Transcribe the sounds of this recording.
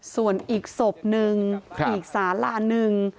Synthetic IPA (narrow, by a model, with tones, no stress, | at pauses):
su˨˩ənʔiː˨˩k̚so˨˩p̚nɯ˨˧ŋʔiː˩˨˩k̚saː˨˦mlaː˧nɯ˨˧ŋ